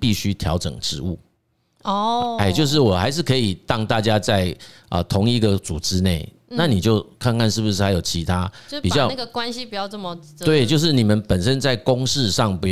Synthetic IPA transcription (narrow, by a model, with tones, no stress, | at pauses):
pi˥˩ɕy˦t̪ʰjɑ˧˦ʊʈ͡ʂɤ̰˨˩ŋʈ͡ʂɻ̩˧˥u˥˩ | ɔ˧e˥˩ɪt͡ɕjo˥˧ʊʂ̬ɻ̩˥˩wɔ˨˩xa˧˥ɪʂɻ̩˥˩kʰɤ˧˥i˨˩t̪ɑ˥˧ŋt̪a˥˩t͡ɕja˦t͡sa˥˩ɪʔə̰˨t̪ʰʊ˧˦ŋi˧˥ɡə˨t͡su˨˩ʈ͡ʂɻ̩˦ne˥˩ɪ | na˥˨ni˨˩t͡ɕjo˥ʊkʰa˥˧nka˥˧nʂɻ̩˥˩bu˧ʂɻ̩˥˩xa˧˥jo˨˩ʊt͡ɕʰi˧˥t̪ʰa˦pi˨˩t͡ɕjɑ˥ʊ˥˩ɡə˧kwa˦nɕi˦pi˨˩t͡ɕjɑ˥˧ʊt͡sə˥˩mə˨ | t̪we˥˩ɪt͡ɕjo˥˧ʊʂ̬ɻ̩˥˩ni˨˩mə˨˦npə˨˩nʂə˦nt͡sa˥˩ɪkʊ˦ŋʂɻ̩˥˧ʂɑ˥˨ŋpu˧˥